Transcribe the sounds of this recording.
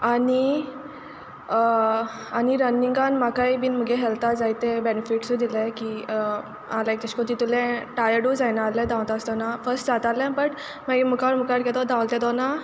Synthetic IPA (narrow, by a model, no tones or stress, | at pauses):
ani | aniɾənːiŋɡanmakaibiːnm̤əɡeɦelt̪ad͡zajt̪ebenifiʈsud̪ilekiː | alaek̚t̪əɕkot̪it̪ulẽʈajəɖud͡zajnalẽd̪ãwt̪ast̪ɔnafəsʈd͡zat̪alɛ̃pəʈ | maɡimukaɾmukaɾkɛt̪ɔd̪ãwlt̪ɛ̃t̪ɔna